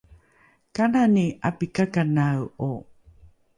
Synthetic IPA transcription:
kananiapikakanawo

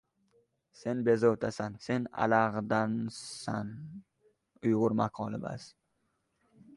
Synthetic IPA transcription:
se̞nbe̞zowt̪ʰasanse̞na̰laʁd̪ansan | ʊjʁʊɾmaqʰɒlˠɪba̰s

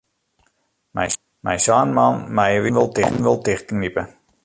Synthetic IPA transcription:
mɛ̰j | mɛ̰jsaːnmɑnmajəʋinʋəlˠtɪxtn̩ʋəlˠtɪxtn̩nipə

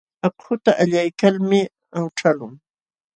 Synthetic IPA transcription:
akhʊt̪aʔaʎajkalmɪ | awʈ͡ʂalʊŋ

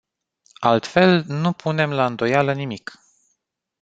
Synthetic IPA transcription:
alt̪fe̞lnupʰune̞mlaɨnd̪o̞jalənimik

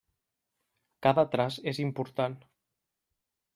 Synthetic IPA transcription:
kaðat̪ɾazezimpuɾt̪an

